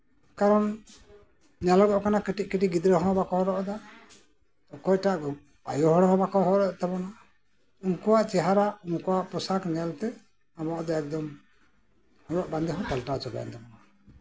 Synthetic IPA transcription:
kaɾɔn | ɲɛlɔɡɔʔkanakiʈiʔ̚kiʈiɡid̪ɾəɦɔ̃bakɔhɔɾɔʔɔd̪a | ɔkɔjʈaʔɡɔ | pa̰jɔɦɔɽɔɦɔ̃bakɔɦɔɾɔt̪ɛbɔna | unkɔwaʔt͡ʃɛɦaɾaʔunkɔwaʔpɔsakɲɛlt̪ɛ | abɔʔɔd̪aɛk̚d̪ɔm | hɔbɔʔband̪ɛɦɔ̃ʈalʈat͡ʃɔba̰ja̰nt̪ɛbɔna

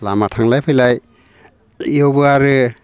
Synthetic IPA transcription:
la̰matʰaŋlajpʰɯjlaj | jowbɯaɾɯ

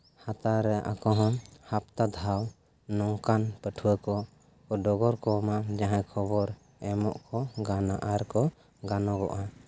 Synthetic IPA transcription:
hat̪aɾɛaʔakɔɦɔ̃hap̚t̪ad̪ʱaw | nɔŋkanpəʈʰuwəkɔ | ɔɖɔɡɔɾkɔmad͡ʒaɦãkʰɔbɔɾ | ɛmɔʔkɔɡanaʔaɾkɔ | ɡanɔɡɔ̰ʔa

